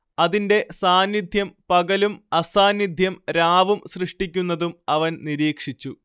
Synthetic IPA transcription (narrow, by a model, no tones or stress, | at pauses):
ɐðinde̞saːnjid̪ʱjɐmpɐɡɐlumɐsaːnjid̪ʱjɐmɾaːʋumsrɨʂʈikʲːunːɐðumɐʋɐnniɾiːkʂit͡ɕːu